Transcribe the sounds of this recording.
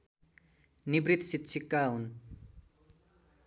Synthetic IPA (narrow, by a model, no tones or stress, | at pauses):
nibɾit̪sit̪t͡ʃʰikaun